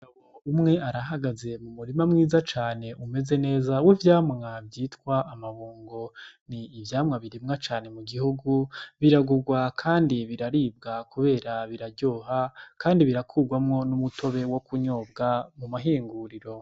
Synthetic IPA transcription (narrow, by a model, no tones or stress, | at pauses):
awoumŋe̞ʔaɾaɦaɡaze̞mumuɾimamŋiːzat͡ʃaːne̞ʔume̞ze̞ne̞ːzawivjaːmŋavjiːtkwaʔːmaβuːŋɡo̞niːvjaːmŋaβiɾimŋat͡ʃaːne̞muɡihuɡuβiɾaɡuɡwakʰaːndiβiɾaɾiːb̚ɡakuβe̞ːɾaβiɾaɾɟo̞ːɦakʰaːndiβiɾakʰuːɡwamŋo̞numutʰo̞βe̞wo̞kuɲo̞ːbɡamumaɦiːŋɡuɾiɾo̞